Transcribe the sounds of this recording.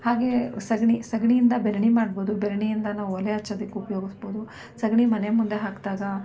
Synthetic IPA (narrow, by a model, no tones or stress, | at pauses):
haːɡe̞sɐɡɳisɐɡɳijind̪ɐbeɾɐɳimaːɽboːd̪ubeɾɐɳijind̪ɐnaːʋuɔlːeɐt͡ʃːɐd̪ɐkːiupɐjoːɡisboːd̪u | sɐɡɳimɐnemund̪e̞ɦaːkd̪aːɡɐ